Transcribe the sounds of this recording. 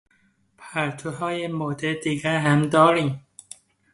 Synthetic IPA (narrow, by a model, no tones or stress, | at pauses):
pʰæɾt̪ʰohɒːjemod̪ed̪iɡæɾɦæmd̪ɒːɾim